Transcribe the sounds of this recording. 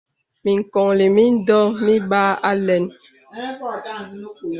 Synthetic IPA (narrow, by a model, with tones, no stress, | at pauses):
mi˨ŋ̩˨kɔ˨ŋle˨mi˦n̩˦dɔ˦mi˦ɓa˦a˦lɛ˨n